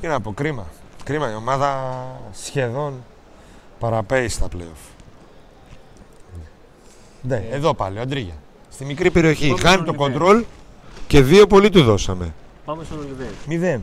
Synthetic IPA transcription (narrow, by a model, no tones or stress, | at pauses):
t̪inɐpo̞kɾimɐkɾimɐio̞mɐðɐsçe̞ðo̞n | pɐɾɐpe̞ist̪ɐplḛof | d̪eeðo̞pɐlioɐnd̪ɾiʝɐ̰ | st̪imikɾipe̞ɾio̞çixɐnit̪o̞ko̞nd̪ɾo̞lce̞ðio̞polit̪uðo̞sɐme̞pɐmesoðemiðen